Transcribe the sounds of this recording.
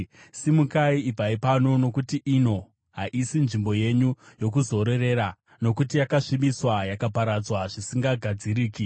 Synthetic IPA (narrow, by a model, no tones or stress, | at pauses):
simukaiːb͡vaipano̞no̞kutiʔino̞ | ɦaʔisinʐimbo̞je̞ɲujo̞k̬uzo̞ɾe̞re̞ɾa | no̞kutijakaʂimiswajakapaɾad͡zwaʐisiŋɡaɡʱad͡ziɾiːki